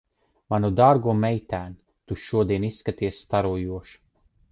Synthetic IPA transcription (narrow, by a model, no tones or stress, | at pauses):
manud̪aːɾɡuɔmɛjt̪æːn | t̪uʃuɔd̪iɛnisːkat̪iɛsːt̪aɾuɔjuɔʃu̥